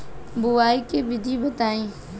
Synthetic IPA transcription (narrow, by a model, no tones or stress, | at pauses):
bʊʋaːikebɪd̪ʱibət̪aːĩː